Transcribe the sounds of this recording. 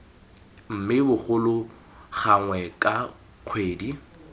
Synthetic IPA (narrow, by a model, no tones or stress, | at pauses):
m̩mɪbʊχʊlʊ | χaŋwɛkʼa | q͡χʰweːdi